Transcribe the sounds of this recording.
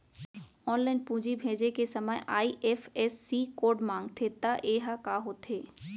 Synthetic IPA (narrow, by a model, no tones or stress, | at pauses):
ɔːnlaɪnpũːd͡ʒibʱẽːd͡ʒekesəmajʔaːiʔeːfʰeːsːikoːɾɖmãːŋɡt̪ʰet̪aʔeːɦakaːɦoːt̪ʰeː